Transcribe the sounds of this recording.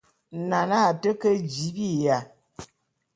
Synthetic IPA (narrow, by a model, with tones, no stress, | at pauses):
na˨na˦˨tə˦kə˦d͡ʒi˨˦bi˦˨ja˨